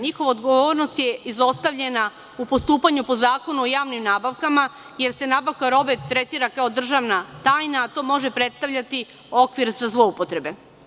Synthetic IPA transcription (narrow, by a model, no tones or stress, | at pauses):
ɲixo̞ʋaod̪ɡo̞ʋo̞ːɾno̞st̪je̞izo̞st̪aʋʎe̞na | upost̪uːpaɲupo̞zaːko̞nuojaːʋnimnaːbaʋkama | je̞ɾse̞naːbaʋkaɾo̞bet̪ɾet̪iːɾakao̞d̪r̩ʒaʋnat̪aːjnaːt̪o̞ːmo̞ʒe̞pɾe̞t̪st̪aʋʎat̪i | o̞kʋiɾzazlˠo̞upo̞t̪ɾe̞be̞